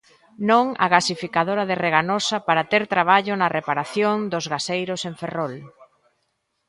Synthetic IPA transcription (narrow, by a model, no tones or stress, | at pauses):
nõŋɐ̰ɣasifikaðoɾɐðereɣanosɐpaɾat̪eɾt̪ɾaβ̞aʎʊnɐrepaɾaθjoŋd̪ʊzɣasejɾʊseɱferɔl